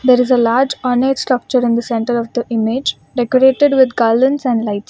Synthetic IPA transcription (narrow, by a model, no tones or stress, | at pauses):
d̪eːɾɪzelaːɾd͡ʒɔːneʈsʈɾʌk̚t͡ʃəɾɪ̃nd̪əsɛ̃ɳʈəɾɔʋd̪əʔɪmed͡ʒ | ɖɛkəɾeːʈeɖʋɪd̪ɡaːlɖə̃nsɛ̃ɳɖlaɪʈs